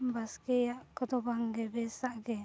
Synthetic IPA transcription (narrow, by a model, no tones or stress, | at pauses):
baskɛjaʔkɔd̪ɔbaŋɡɛbɛsaʔɡɛ